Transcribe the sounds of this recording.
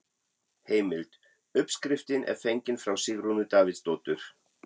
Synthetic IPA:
heːjmɪlt̪ | ʏpskɾɪft̪ɪnʔɛ̰ɾ̥fejɲcɪnfɾawsɪɣɾunʏt̪aːvɪt̪st̪oːwt̪ʏɾ̥

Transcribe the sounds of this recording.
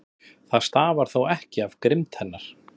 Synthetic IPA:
θaðst̪aːvaɾ̥θowɛhcɪavkɾɪmt̪hɛnːaɾ̥

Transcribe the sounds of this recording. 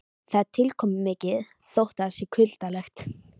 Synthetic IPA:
θat̪ʰːɪlkʰɔmʏmɪːcɪð | sowht̪aɾsɪkʰʏl̥t̪alɛxt̪

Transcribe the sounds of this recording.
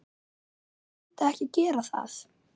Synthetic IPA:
t̪aɛhcɪcɛːɾaθa̰θ

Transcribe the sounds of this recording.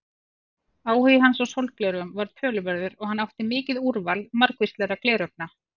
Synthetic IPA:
aːwhʏjɪɦansawsowlt̪̚klɛɾœmvaɾt̪ʰœːlʏvɛɾðʏɾɔɣhanːawht̪ɪmɪːcɪðuɾvalmaɾkvist̪lɛːɾaklɛːɾœp̚na

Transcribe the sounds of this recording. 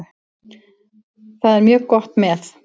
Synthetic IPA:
θaðɛɾmjœːɣkɔht̪mɛθ

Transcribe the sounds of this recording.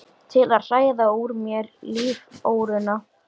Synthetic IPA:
t̪ʰɪlaðr̥aːjðauɾmjɛɾliːvoːwɾʏna

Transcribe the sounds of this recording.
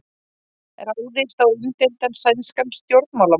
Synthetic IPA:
ɛ̰ɾawðɪst̪awɪmt̪ent̪ansajnskamst̪jowɾt̪nmawla

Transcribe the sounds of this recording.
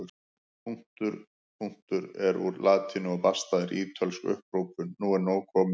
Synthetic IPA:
pʰuŋ̥t̪ʏɾ | pʰuŋ̥t̪ʏɾɛɾṵɾlʔaːt̪ʰinʏɔpḁst̪aːðɪɾiːt̪ʰœlsʏ̰hpɾoːwpʏnːuːɛɾnoːwkʰɔːm

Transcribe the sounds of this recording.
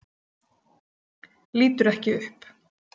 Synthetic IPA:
liːt̪ʏɾɛhcɪʏhp

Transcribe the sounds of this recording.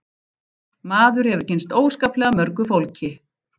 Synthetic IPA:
maːðʏɾ̥hɛvʏɾ̥censt̪oːwskaːplɛɣamœɾkʏfowlcɪ

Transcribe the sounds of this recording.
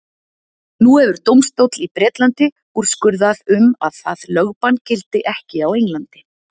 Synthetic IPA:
nuhɛvʏɾ̥t̪owmst̪owt̪lipɾɛːt̪lant̪ɪ | uɾ̥skʏɾðaðʏma̰ðθaðlœɣpancɪlt̪ɪʔɛhcɪawejŋlant̪ɪ̥

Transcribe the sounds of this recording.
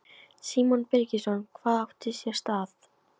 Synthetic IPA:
siːmɔnpɛɾcɪsɔnkʰvaːðawt̪ɪsjɛst̪aːθ

